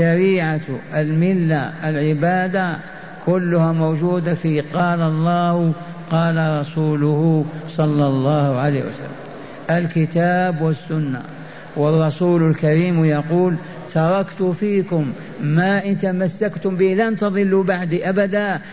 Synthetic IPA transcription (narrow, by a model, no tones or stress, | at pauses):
ʃaɾiːʕat̪ʔlmɪlːalʕɪbaːd̪a | kʊlːʊhamowʒuːd̪afiqɑːlɑlˤːɑːh | qɑːlaɾˤɑsuːlʊhʊsˤɑlːɑlˤːɑːhʕaleːhwa̰sa̰lːamm | ʔɪlkɪt̪aːbwɪsːʊnːa̰ | wɑrˤːɑsuːlʊlkaɾiːmjɑquːl | t̪ɑɾˤɑkt̪ʊfiːkʊmː | aʔɪnt̪amasːakt̪ʊmbilant̪ɑd̪ˤɨlːubaʕd̪iʔabad̪a